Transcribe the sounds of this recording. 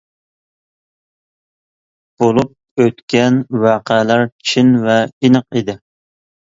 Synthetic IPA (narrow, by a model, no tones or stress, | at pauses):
b̥olˠup̚øt̪kʲɛnwɑːqʰəlæɾt͡ʃʰinvɛinəqid̪ɪ